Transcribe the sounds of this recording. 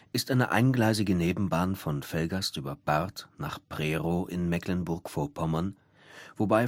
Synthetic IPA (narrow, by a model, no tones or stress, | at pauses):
ʔɪstʔaɪnəʔa̰ɪnɡlaɪzɪɡəneːbm̩baːnfɔnfɛlɡasʔyːbɐb̥aʁtna̰ːχpʁ̥eːʁoːʔɪ̰nmɛklənbʊɐkfoːɐpʰɔmɐn | v̥obaɪ